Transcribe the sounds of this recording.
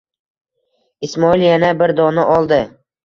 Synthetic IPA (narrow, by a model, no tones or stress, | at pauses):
ismɒiljanabɪɾd̪ɒnaʔɒlˠd̪ɪ